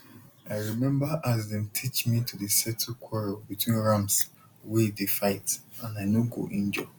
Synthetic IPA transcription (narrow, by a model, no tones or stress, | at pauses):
aɪɹimɛ̃mbaʔazdɛ̃mtʰit͡ʃmitʰudesɛtʰukʰwɔɹɔbitʰwĩnɹãms | widifaɪtãnaɪnoɡo̰ʔĩnd͡ʒɔ